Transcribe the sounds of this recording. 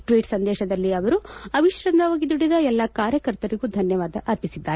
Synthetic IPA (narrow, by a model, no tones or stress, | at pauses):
ʈʋiːʈsɐnd̪ɛːʃɐd̪ɐlːiɐʋɐɾuɐʋiʃɾɐnd̪ɐʋoːɡid̪uɽːid̪ɐɛlːɐkaːɾjɐkɐɾt̪ɐɾiɡud̪ʱɐnjɐʋaːd̪ɐʔɐɾpisid̪ːaːɾe